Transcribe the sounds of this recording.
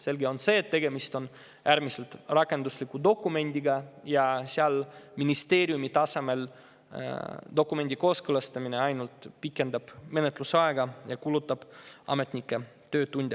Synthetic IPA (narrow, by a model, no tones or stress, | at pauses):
se̞lɡio̞nse̞ːt̪ːe̞ɡe̞mist̪o̞n | ʔæɾmise̞lt̪rɑkːˑe̞nd̪uslikːˑud̪o̞kːˑume̞nʲd̪̥iɡɑjɑseɑlminist̪e̞ːɾiumit̪ɑse̞me̞l | d̪̥o̞kːˑume̞nʲd̪̥ʲiko̞ːskɤlɑst̪ɑmineɑjnult̪pikːˑe̞nd̪ɑb̥me̞ne̞t̪ˑlusɑeɡɑjɑkulut̪ːˑɑb̥ɑ̰me̞t̪nikːˑe̞ | t̪ø̞ːt̪unʲd̪̥ʲɑ